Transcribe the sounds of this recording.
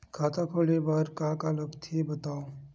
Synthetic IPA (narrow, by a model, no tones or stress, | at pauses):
kʰaːt̪ʰakʰoːlebɐɾkãkaləbt̪ʰebɐt̪aːo